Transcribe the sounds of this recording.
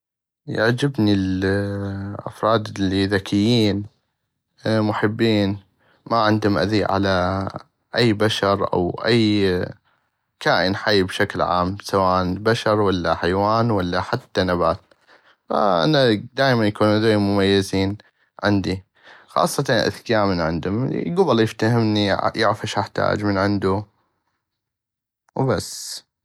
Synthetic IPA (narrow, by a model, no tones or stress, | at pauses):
ja̰ʕd͡ʒɪbnil | ʔa̰fɾˤɑːd̪ɪlːiðakʰɪjːiːn | mʊħɪbːiːn | maʕɪnd̪hʊmʔa̰ðiʕa̰la | ʔajːbaʃɑɾˤʔa̰wʔajː | kʰaːʔɪnħajbʃaklʕa̰ːmsawaːʔanbaʃɑɾˤwalːaħajwaːnwalːaħat̪ːanabaːt̪̚ | fa̰ʔa̰nad̪aːjmanjakuːnuzajːmʊmajːɪziːn | ʕɪnd̪i | xɑ̰ːsˤːɑt̪ɑʔa̰θkaːmɪnʕɪnd̪ʊmɡʊbaljɪft̪ahɪmnijaʕfaʃʔaħt̪a̰ːd͡ʒmənʕɪnd̪u | wbasː